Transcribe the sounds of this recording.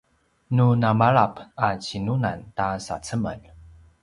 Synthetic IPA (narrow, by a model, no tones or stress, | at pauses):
nunamaɭapat͡ɕinunantasa̰t͡səmə̰n